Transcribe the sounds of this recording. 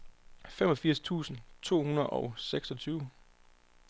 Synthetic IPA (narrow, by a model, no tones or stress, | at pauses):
femɒ̽fiɐ̰st͡sʰṵːsn̩t͡sʰo̝̰ːhunɐð̩ˠɒʊseɡ̥sɒ̽t͡sʰyːʊ